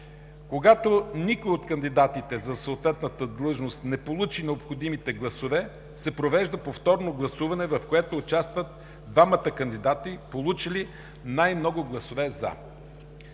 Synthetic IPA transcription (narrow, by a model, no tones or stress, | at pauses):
koɡat̪onikojot̪kənd̪id̪at̪it̪ɛzɐsəot̪vɛt̪nət̪əd̪lˠɤʒnost̪nɛpolˠut͡ʃinɛopxod̪imit̪ɛɡlˠɐsovɛ | sɛpɾovɛʒd̪əpoft̪ɔɾnoɡlˠɐsuvɐnɛvɐfkoɛt̪oːt͡ʃast̪vət̪̚ | d̪vamət̪əkɐnd̪id̪at̪ipolˠut͡ʃili | najmnɔɡʊɡlˠɐsovɛzɐ̰